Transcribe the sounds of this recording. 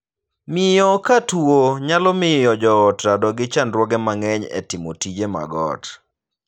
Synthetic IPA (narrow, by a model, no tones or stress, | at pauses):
mɪjɔkatuoɲalɔmɪjɔd͡ʒɔːtɾadɔɡɪt͡ʃandɾwɔɡɛmaŋɛɲɛ̰tɪmɔtid͡ʒema̰ɡɔ̰t